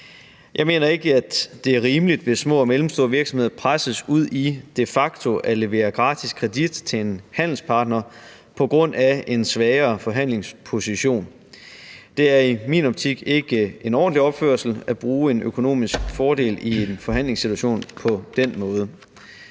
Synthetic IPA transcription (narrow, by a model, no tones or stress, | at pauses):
jʔɑ̈ɪme̝̰ːnɐe̝ɡ̥əæ̥d̥e̝æɐʁiːmlid̥ʋe̝smɔ̰̽ɒmelm̩sd̥o̝ːɐʋiɐɡ̥smhe̝ð̰ˠɐpʰʁasəsuð̞̰ˠid̥e̝fɑ̈ɡ̥̚t͡sʰo̝ʔæle̝ʋe̝̰ːɐɡ̥ʁɑ̈ːd̥ʰiskʰʁɛd̥id̥t͡sʰe̝enhæn̰l̩spʰɑ̈ːd̥nɐ | pʰɒ̽ɡ̥ʁɔ̽n̰ʔæe̝nsʋɛːɐːfɒ̽ɦæn̰le̝ŋspʰo̝siɕo̝̰ːn | d̥e̝æɐimḭːnɒ̽b̥̚t͡sʰiɡ̥e̝ɡ̥əʔe̝nɒ̰ːn̩liɒ̽b̥fø̰ɐsl̩æb̥ʁuːe̝nøkʰo̝no̝̰ːmisɡ̥fɒːɾ̥e̝̰ːlie̝nfɒ̽ɦæn̰le̝ŋsːit͡sʰuæɕo̝̰ːnpʰɒ̽d̥en̰mɔ̽ːð̞ˠə